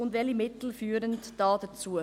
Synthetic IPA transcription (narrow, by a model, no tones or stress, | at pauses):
ʊndvɛlimɪt̪l̩fyːɾəntd̥ɑːdɑt͡suː